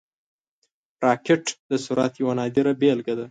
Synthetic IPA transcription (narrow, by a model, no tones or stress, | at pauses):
ɾɑkɪʈd̪əsuɾat̪jawanɑd̪iɾabelɡad̪a